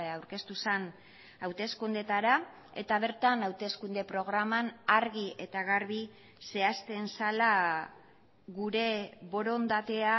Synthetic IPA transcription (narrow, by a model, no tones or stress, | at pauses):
awɾke̞st̪usen | awt̪e̞skund̪e̞t̪aɾa | e̞̰t̪aβ̞e̞ɾt̪anawt̪e̞skund̪e̞pɾo̞ɣ̞ɾamanaɾɣie̞t̪aɣaɾβi | se̞ast̪e̞nsala | ɣuɾe̞βo̞ɾo̞nd̪at̪e̞a